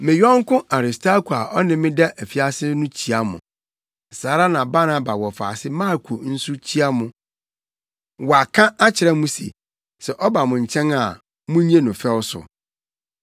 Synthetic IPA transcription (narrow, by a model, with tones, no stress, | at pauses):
mɪ̃˨ɥɔ̃˦ŋ̩˦kʊ̃˦ʔa˨ɾɪ˨stʰa˦ku˨a˨ʔɔ˦nɪ̃˨mɪ̃˦dɛ˦ʔæ˨fi˨a˦sɪ˦nʊ̃˦t͡ɕʰi˦a˦mʊ̰̃˨ | saː˨ɾa˦nã˨ba˦na˨ba˨wɔ˨fa̰ː˨sɪ˦mã˦˨kʰu˨n̩˦sʊ˦t͡ɕʰi˦a˦mʊ̃˨ | wa˨kʰã˦a˦t͡ɕʰɪ˨ɾɛ˦mũ˦sḭ˨ | sɛ˨ʔɔ˦ba˨mʊ̃˨ɲ̩˨t͡ɕʰɛ̃˦na˨ | mʊ̃˦ɲ˦ẽ˦nʊ̃˨fɛ˦wsʊ̰˨